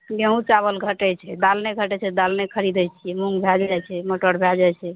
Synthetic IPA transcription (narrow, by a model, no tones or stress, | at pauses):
ɡeɦũt͡ʃaβəlɡʱəʈɛt͡ʃʰɛd̪alneɡʱəʈɛt͡ʃʰɛd̪alnekʰəɾid̪ɛt͡ʃʰiɛmuŋɡbʱɛd͡ʒajt͡ʃʰɛməʈoɾbʱɛd͡ʒajt͡ʃʰɛ